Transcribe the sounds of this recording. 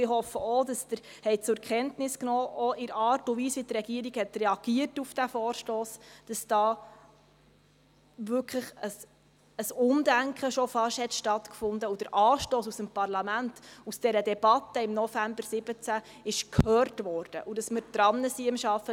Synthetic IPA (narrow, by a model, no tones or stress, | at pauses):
ɪhɔfːəɔd̥ɑsd̥̪əɾhɛɪt͡sʊɾkχɛntnɪsknɔːʔɔʔɪɾɑːrtʊʋiːsʋitrɛɡiːəɾiɡ̥hɛt̪rɛɑɡ̥iətufd̥æfɔːɾʃtoːsd̥ɑsd̥ɑː | ʋʏɾkʰləχəs | əsʊndæŋkχəʃɔfɑʃhɛt̪ʃtɑt̪kfʊndəud̥əɾʔɑːʃtoːsusəmpɑrlɑmæntusd̥ɛɾədɛb̥ɑtːəɪmnɔfæmbəɾsɪbət͡sæ | ɪʃkʰhœːɾtʋɔːɾd̥əʔudɑsməɾd̥̪ɾɑnːəsiɪmʃɑfə